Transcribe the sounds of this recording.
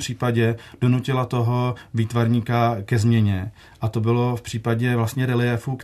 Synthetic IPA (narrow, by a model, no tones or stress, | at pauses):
pr̝̥iːpaɟɛd̥o̞nucɪlat̪o̞ɦo̞viːt̪vaɾɲiːkakɛzmɲɛɲɛ | ʔat̪o̞bɪlo̞fpr̥iːpaɟɛvlast̪ɲɛɾɛlɪɛfuːk